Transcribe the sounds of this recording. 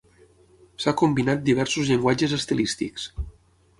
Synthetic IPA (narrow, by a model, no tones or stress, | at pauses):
sakumbinat̪̚d̪iβ̞ɛɾsuzʎeŋɡwad͡ʒəzəst̪elist̪ḭks